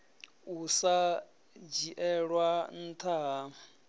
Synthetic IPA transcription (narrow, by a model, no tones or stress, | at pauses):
usa | d͡ʒiʔɛɺwan̩t̪ʰaɦa